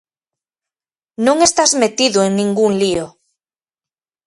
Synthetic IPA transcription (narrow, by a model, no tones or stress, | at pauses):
nõŋest̪azmet̪iðoeŋnĩŋɡuŋlio